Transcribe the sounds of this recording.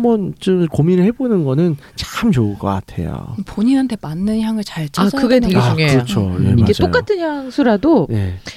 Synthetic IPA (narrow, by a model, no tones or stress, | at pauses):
mʌnt͡ɕomkominɯɭhe̞bonɯnɡʌnɯn | t͡ɕamt͡ɕoɯɭk͈ʌk͈a̰tʰe̞̰jo̰poɲinɦantʰe̞manːɯnçjaŋɯɭt͡ɕaɭt͡ɕʰakɯɡeteɡet͡ɕuŋeɯɾʌot͡ɕʰojḛiaɡe̞d͡ʑtojk͈atʰɯnçjaŋsʰuɾadoje̞̰